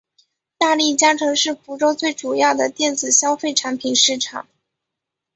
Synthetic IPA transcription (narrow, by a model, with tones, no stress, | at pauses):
t̪a˥˧li˥˩t͡ɕja˥ʈ͡ʂʰɤ˧˥ŋʂɻ̩˥˩fu˧˥ʈ͡ʂo˥ʊt͡swe˥˩ɪʈ͡ʂu˨˩jɑ˥˩ʊd̪ə˩t̪jɛ˥˩nt͡sɹ̩˨˩ɕjɑ˥ʊfe˥˩ɪʈ͡ʂʰa˧˥npʰi˨˩nʂɻ̩˥˩ʈ͡ʂʰɑ̰˨˩˦ŋ